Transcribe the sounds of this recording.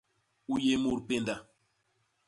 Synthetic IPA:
u˦je˦mu˦˨ɾpe˦˨nda˨

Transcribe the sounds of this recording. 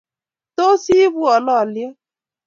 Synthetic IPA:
to˦si˦bu˦ɔ˨lɔ˦˨lje˦

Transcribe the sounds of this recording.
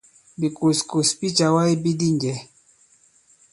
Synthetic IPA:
bi˨ko˨sko˨spi˦t͡ʃa˨wa˦i˦bi˦di˦ŋd͡ʒɛ˨

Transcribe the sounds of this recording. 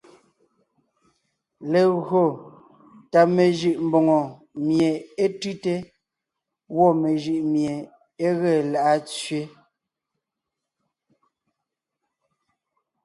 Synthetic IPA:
le˨ɣɰo˨ | ta˨me˨ʒɯ˨ʔm̩˨bɔ˨ŋɔ˨ | mje˨e˦tʉ˦te˦ | wɔ˦˨me˨ʒɯ˨ʔmje˨ | e˦ɣe˦˨la˨ʔa˦t͡sɥe˦

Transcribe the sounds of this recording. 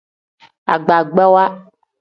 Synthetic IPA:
a̰˨ɡ͡ba˨ɡ͡bɛ˦wa˦

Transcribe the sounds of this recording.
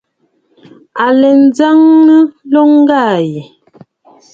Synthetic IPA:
a˨lɛ˨n̩˨˦za˦ŋnə˦lɔ˦ŋ˦ɡaː˦˨je˨

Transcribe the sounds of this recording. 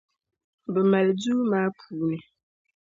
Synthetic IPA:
bə˨ma˨ld͡zu˦ma˦pʰuː˨nɛ˨

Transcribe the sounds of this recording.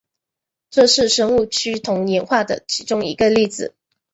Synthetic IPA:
ʈ͡ʂɤ˥˧ʂɻ̩˥˩ʂə˥ŋu˥˩t͡ɕʰy˥t̪ʰʊ˧˥ŋnjɛ˧˥nxwa˥˩d̪ə̰˩t͡ɕʰi˧˥ʈ͡ʂʊ˥ŋḭ˧˥ɡə˧li˥˩d͡zɹ̩˨˩

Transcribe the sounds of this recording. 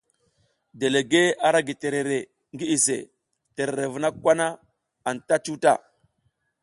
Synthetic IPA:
de˨le˨ɡe˦a˨ɾa˦ɡi˨te˨ɾe˨ɾe˨ | ŋɡi˦i˨sḛ˨ | te˨ɾe˨ɾe˨vu˨na˦kwa˦na˦ | a˨nta˦t͡ʃu˦ta˦˨

